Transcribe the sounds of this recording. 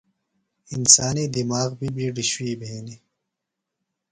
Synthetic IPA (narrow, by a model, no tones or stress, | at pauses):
insaːniːd̪imaːɣbibʱiɖiɕwiːbʱeeːni